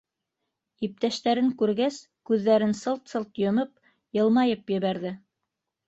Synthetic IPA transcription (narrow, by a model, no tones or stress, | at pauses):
ip̚t̪æʃt̪æɾɘŋkʉɾɡæs | kʉðːæɾɘnsɤlˠt̪sɤlˠt̪jŏmɤp̚ | jɤ̆lˠmɑjɤpjɘ̆βæɾðɘ